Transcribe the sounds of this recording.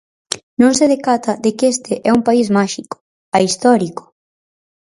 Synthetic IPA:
nõŋs̬eðekat̪ʰɐðekest̪eʔɛumpaizmaʃikʊ̥ | aist̪ɔɾikʊ̥

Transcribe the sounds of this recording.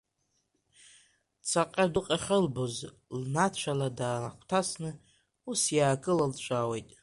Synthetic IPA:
t͡sʰaqʼadʊqʼaχʲɪlboz | lnat͡ʃʷʰaladaːnaχʷʰtʰasnɨ | usjaːkʼɨlalt͡ʃʷʼawe̞jtʼ

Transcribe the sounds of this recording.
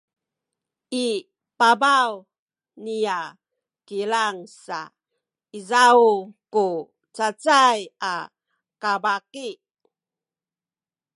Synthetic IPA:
i | pabaw | nija | kilaŋsa̰ | izauku | t͡sat͡saja | kabaki

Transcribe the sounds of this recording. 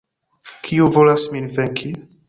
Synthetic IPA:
kʰiuvolasminvɛŋkʰi

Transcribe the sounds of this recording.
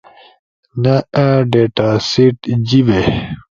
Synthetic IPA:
nɐɖeʈasiʈd͡ʑiʋe

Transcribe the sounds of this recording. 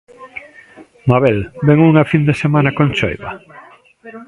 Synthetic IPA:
maβɛlbɛŋuŋafind̪esemanɐkõnt͡ʃɔ̰jβɐ̰

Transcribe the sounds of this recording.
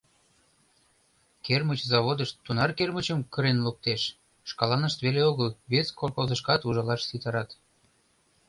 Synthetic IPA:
kermət͡ɕzɑβod̪əʃt̪ːunɑrkermət͡ɕəmkəɾenluk̚t̪eʃː | kɑlɑnəʃt̪βeleoɣəlβeskolkozəʃkɑt̪uʒɑlɑʃsit̪ɑɾɑt̪

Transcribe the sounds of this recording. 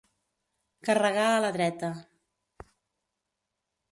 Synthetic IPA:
kərəɣaələðɾɛt̪ə

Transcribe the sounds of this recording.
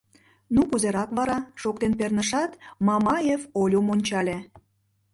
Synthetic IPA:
nukuzeɾɑkβɑɾɑʃok̚t̪enpernəʃɑt̪mɑmɑjevolʲomonʲt͡ɕɑlʲe

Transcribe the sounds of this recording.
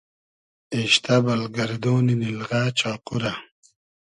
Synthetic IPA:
eɕt̪abɐlɡɐɾd̪oːninilʁaːt͡ɕaːquɾa

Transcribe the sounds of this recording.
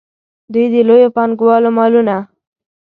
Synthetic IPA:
d̪ujd̪əlojopɑnɡwɑlomɑluna

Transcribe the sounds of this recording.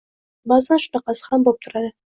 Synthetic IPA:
bazd̪anʃʊ̥nɑqɑsɪ̥hambop̚t̪ʰʊɾad̪ɪ

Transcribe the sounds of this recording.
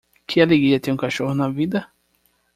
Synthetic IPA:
kʰɪaleɡɾiɐt̪ẽũkaʃohʊnɐvid̪ɐ

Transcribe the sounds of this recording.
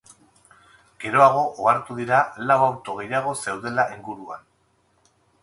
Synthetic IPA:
ɡ̥e̞ɾo̞aɣ̞o̞ʔoaɾt̪uðiɾalawawɾt̪o̞ɣ̞e̞jaɣ̞o̞se̞wðe̞laʔiŋɡuɾua̰n

